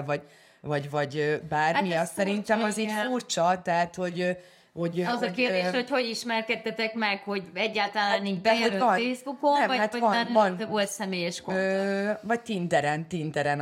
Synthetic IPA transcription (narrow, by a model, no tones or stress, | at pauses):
vɒ | vɒɟvɒɟøbaːrmiɒsɛɾint̪ɛmɒzit̪furt͡ʃɒt̪ɛɦat̪ho̞ɟ | ho̞ɟzɒkereːʃocho̞ɟiʃmɛrkɛt̪ːɛt̪ɛkmɛkho̞ɟɛɟːaːlt̪ɒlaːnibɛɒfeːzbukonɛvɒat̪vɒnvɒnolt̪sɛmeːjɛʃkoøvɒɟ̚t̪ind̪ɛɾɛnt̪ind̪ɛɾɛn